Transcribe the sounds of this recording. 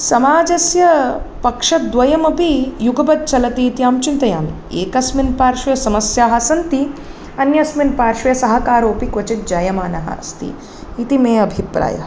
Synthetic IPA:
sɐmaːd͡ʒɐsjɐpɐkʂɐd̪ʋɐjɐmɐpijuɡɐbɐt̪̚t͡ʃɐlɐt̪iːt̪ijaːmt͡ʃint̪ɐjaːmḭeːkɐsminpaːɾʃɐjɐsɐmɐsjaːɦɐsɐnt̪i | ɐnjɐsminpaːɾʃɐjɐsɐɦɐ̆kaːɾoːpikʋɐt͡ʃit̪̚d͡ʒɐjɐmaːnɐɦɐ̰st̪ḭː | t̪imeːɐbʱipɾa̰ːjɐ̰

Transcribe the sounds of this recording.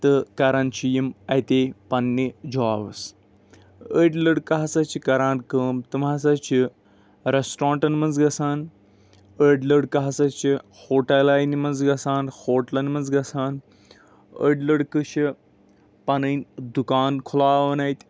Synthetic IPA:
t̪ɨkɐɾɐnt͡ʃijimɐjt̪eːpɐnːid͡ʒaːʋəs | əɖləɽkɐɦɐsɐt͡ʃʰikɐɾaːnkəːmt̪ɨmas̬ɐt͡ʃʰi | ɾesʈɾãːɳʈɐnmɐnzɡɐsaːn | əɖləɽkɐɦɐsɐt͡ʃʰi | hoːʈɐlaːjnimɐnzɡɐsaːnhoːʈlɐnmɐnzɡɐsaːn | ə̰ɖləɽkɨʃi | pɐnɐjnd̪ukaːnkʰulaːʋɐnɐit̪ʲ

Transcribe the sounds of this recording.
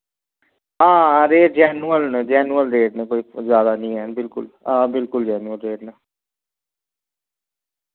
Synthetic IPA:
ãːɾeːʈ̚d͡ʒɛːnuəlned͡ʒɛːnuəlɾeːʈneːkoːiːzjaːd̪aːnĩːɛːnbɪlkʊ̰lãːbɪlkʊld͡ʒɛːnuəlɾeːʈnaː

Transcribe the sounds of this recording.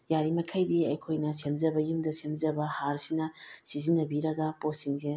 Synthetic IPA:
jaɾimɐkʰajdiɐjkʰojnɐsemzɐbɐjumdɐsemzɐbɐhaɾsinɐsizinɐbiɾɐɡɐposiŋze

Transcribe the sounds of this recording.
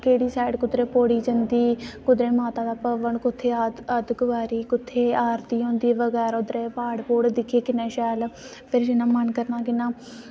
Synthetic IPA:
keːɽiːsaːɪɖkʊd̪ɾeːpoːɽiːd͡ʒənd̪iːkʊd̪ɾeːmaːt̪aːd̪aːpəʋəɳkʊt̪ʰːeːaəd̪ɡʊʋaːɾiːkʊt̪ʰːeːaːɾt̪iːɦõːnd̪iːʋəɡɛːɾʊd̪ɾeːpaːɽpoːɽd̪ɪkʰːeːkɪnẽːʃɛːl | pʰɪɾd͡ʒɪnãːmənkəɾnãːkɪnãː

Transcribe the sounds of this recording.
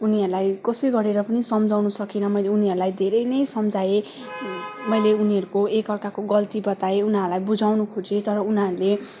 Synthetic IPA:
uniɦʌɾulajkʌsʌɡʌɾeɾʌpʌnisʌmd͡zʱawnusʌkinʌmʌjleuniɦʌɾulajd̪ʱeɾʌjnʌjsʌmd͡zʱae | mʌjleuniɦʌɾukoekʌrkakoɡʌlt̪ibʌt̪aeunɦaɾulajbud͡zʱawnukʰud͡zet̪ʌɾʌunɦaɾule

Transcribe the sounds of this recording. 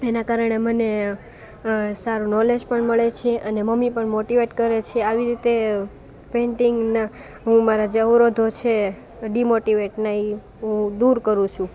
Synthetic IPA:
enakaɾəɳ̃eməne | saɾunɔled͡ʒpəɳməɭet͡ʃʰeʔəneməmipəɳmoʈiʋeʈkəɾet͡ʃʰeaʋiɾit̪e | peɳʈiŋɡna | ɦũmaɾad͡ʒəʋɾod̪ʱot͡ʃʰe | ɖimoʈiʋeʈnai | ɦũd̪uɾkəɾũt͡ʃʰũ

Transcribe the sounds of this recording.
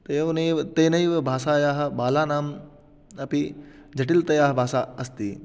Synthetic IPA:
t̪ɐjɐʋnɐit̪eːnɐiʋɐbʱaːsaːjaːɦɐ̆ɓaːlaːnaːm | ɐpi | d͡ʒɐʈ̬ilt̪ɐjaːɦɐbʱaːsaːɐst̪i

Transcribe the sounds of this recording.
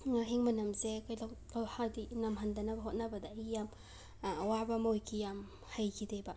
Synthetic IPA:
ŋaɦiŋmɐnɐmzekajlawkawhadinɐmɦandɐnɐbɐɦot̚nɐbɐdaːjijam | wabɐmojkʰijam | hajkʰideba

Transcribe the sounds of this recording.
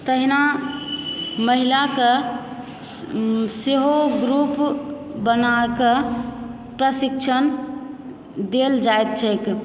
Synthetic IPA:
t̪əɦina | məɦilake | seɦoɡɾup | bənake | pɾəsikt͡ʃʰən | d̪eld͡ʒaet̪̚t͡ʃʰɛk

